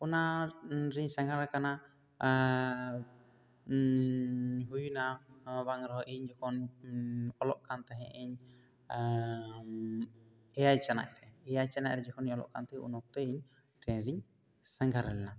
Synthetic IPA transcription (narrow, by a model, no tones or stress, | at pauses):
kɔnaɾiɲsaŋɡaɾakana | ɦujunabaŋɾɔʔɛɲd͡ʒɔkʰɔn | ɔlɔʔkant̪ɛɦɛʔɛɲ | ɛjajt͡ʃana̰ʔ̚ɾɛɛjajt͡ʃana̰ʔɾɛd͡ʒɔkʰɔniɲɔlɔ̰ʔkant̪ɛɦɛʔṵnɔk̚t̪ɛiɲ | ɾɛɾiɲ | sɛŋɡʱaɾɛlɛna